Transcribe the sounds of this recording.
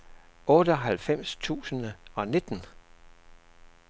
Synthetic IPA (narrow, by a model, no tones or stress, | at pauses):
ɔ̽ːdəɒɦælfem̰st͡sʰṵːsənəɒ̽ne̝d̥ən